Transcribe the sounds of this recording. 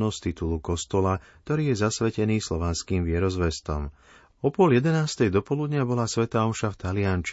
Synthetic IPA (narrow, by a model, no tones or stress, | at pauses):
nɔst̪it̪ulukɔst̪ɔlak̚t̪ɔɾiːjɛzasʋɛcɛniːslɔʋanskiːmʋɪɛɾɔzʋɛst̪ɔ̰m | ɔpʊɔljɛd̪ɛnaːst̪ɛjd̪ɔpɔlud̪ɲɪabɔlaːsʋɛt̪aːɔʃaft̪alɪant͡ʃ